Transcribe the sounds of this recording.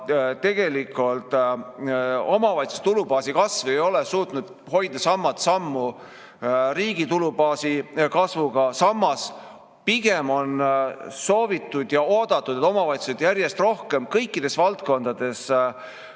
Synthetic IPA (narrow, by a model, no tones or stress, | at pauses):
t̪e̞ɡ̥e̞likˑult̪ˑ | o̞mɑvɑjt̪su̥st̪ulubɑːsikɑsvejo̞lesuːt̪nud̪̥ | ho̞jd̪ɑsɑmːɑt̪sɑmːu | riːɡ̥it̪ulubɑːsikɑsvuɡɑsɑmːɑs | piɡ̥e̞mo̞nso̞ːvit̪ˑːud̪̥jɑo̞ːd̪̥ɑt̪ːˑud̪et̪o̞mɑvɑjt̪su̥sed̪̥jæɾje̞st̪ro̞hke̞mkɤjkːid̪̥e̞svɑlt̪ko̞nd̪ɑd̪̥e̞s